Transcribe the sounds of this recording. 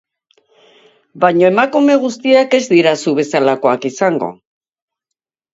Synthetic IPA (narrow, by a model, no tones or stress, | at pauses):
baɲoe̞makume̞ɣ̞ust̪iake̞zd̪iɾasuβ̞e̞salako̞akisaŋɡo̞̰